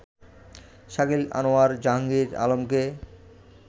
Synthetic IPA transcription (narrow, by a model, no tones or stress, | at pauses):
ʃaɡila̰noaɾd͡ʑaɦaŋɡiɾa̰lomke